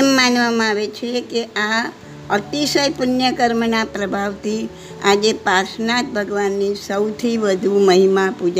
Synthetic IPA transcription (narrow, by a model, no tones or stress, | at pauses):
mːanʋamãaʋet͡ʃʰekea | əɾt̪isəjpʊnjəkəɾmnapɾəbʱaʋt̪ʰi | ad͡ʒepaɾsnat̪̚bʱəɡʋanːisəwt̪ʰiʋəd̪ʱuməɦimapud͡ʒ